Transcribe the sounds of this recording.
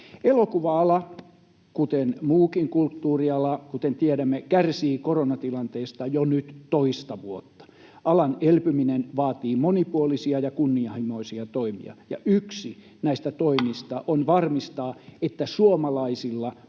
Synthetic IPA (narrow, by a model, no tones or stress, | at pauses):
elokuʋɑɑlɑ | kut̪enmuːkiŋkult̪ːuːriɑlɑkut̪ent̪ieɾæmːekærsiːkoronɑt̪ilɑnt̪eːst̪ɑjonyt̪toist̪ɑʋuot̪ːɑ̥ | ʔɑlɑnelpyminenʋɑːt̪iːmonipuolisiɑjɑkunːiɑhimoisiɑt̪oimḭɑ̰jɑ̰ʔyksi | næist̪æt̪oimist̪ɑʔonʋɑrmist̪ɑːet̪ːæsuomɑlɑisilːɑ